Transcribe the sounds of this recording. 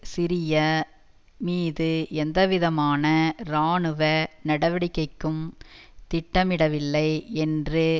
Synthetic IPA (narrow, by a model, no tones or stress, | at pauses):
sɪɾɪjɐ | miːðɯɛnd̪ɐʋɪðɐmaːnɐɾaːɳɯʋɐnɐɽɐʋɐɽɪkːɐɪkːɯmt̪ɪʈːɐmɪɽɐʋɪlːɐɪɛndrɯ